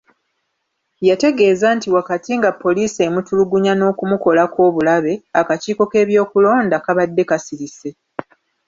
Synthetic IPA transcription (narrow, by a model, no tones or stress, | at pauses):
jate̞ɡe̞ːzantiwakatiŋɡapːo̞liːse̞ːmutuluɡuɲano̞ːkumuko̞lako̞ːβulaβe̞akaciːko̞ke̞ːβjo̞ːkulo̞ːndakaβadːe̞kasiɾise̞